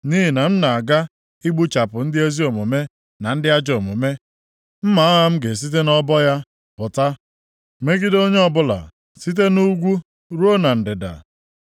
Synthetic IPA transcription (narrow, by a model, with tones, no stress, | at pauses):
ni˦ɦi˨na˨m̩˦na˨ɡa˦ | i˦ɡ͡bu˦t͡ʃa˨pʊ˨n̩˦dɪ˦e˦zi˦o˨mo˨me˦ | na˨n̩˦dɪ˦a˦d͡ʒo˨mo˨me˦ | m̩˦ma˨˦ɔ˦ɦa˦m̩˦ɡe˨s̬i˦t̬e˦nɔ˦bɔ˦ja˦ | pʊ˨ta˦ | me˦ɡi˦do˦ɲe˦ɔ˦˨bʊ˦la̰˨ | si˦t̬e˦nu˦ɡʷu˦ | ɾo˦na˨n̩˨dɪ˨da̰˨